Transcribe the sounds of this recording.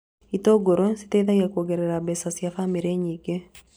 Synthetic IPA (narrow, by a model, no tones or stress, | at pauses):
itoɡoɾosi̥teiðaɣakwoɡeɾeɾabɛsasjafamiɾeɲiɡe